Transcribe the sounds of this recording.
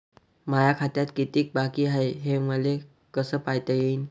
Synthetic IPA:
majakʰat̪jat̪kit̪iːk̚bakiːɦaeɦeməle | kəsəːpajt̪əjein

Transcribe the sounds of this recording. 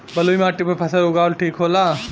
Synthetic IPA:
bɐlujmaːʈːipɐpʰɐsɐɾoɡaːwlʈʰiːkɦoːla

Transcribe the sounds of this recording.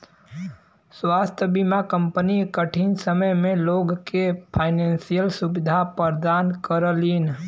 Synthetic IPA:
swaːst̪ʰəbimakə̃mpənikəʈʰinsəməjmẽloːɡkepʰaːɪnẽːnsijəlsubɪd̪ʱapəɾd̪aːnkəɾəlin

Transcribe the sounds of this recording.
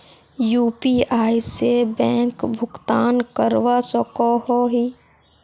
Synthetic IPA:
juːpiaːisebɛ̃ːŋkbʱʊkt̪aːnkəɾʋasɔkɔhɔɦiː

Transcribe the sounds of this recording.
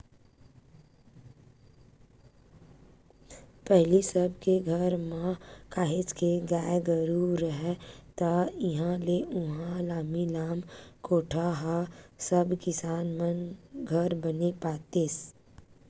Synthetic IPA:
pɛɦlisəbkeɡʱɐəɾmãkaːɦɪt͡ʃkeɡaːɡəɾuɾəɦɛt̪aɪɦãleʊɦãlaːmilaːmkoːʈʰaɦasəbkɪsaːnmənɡʱɐɾbənepaːt̪eːs

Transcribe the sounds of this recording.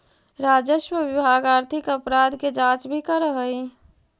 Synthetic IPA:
ɾaːd͡ʒəʃwəʋɪbʱaːɡaːɾt̪ʰɪkəpɾaːd̪ked͡ʒãːt͡ʃbʱikəɾəɦəi

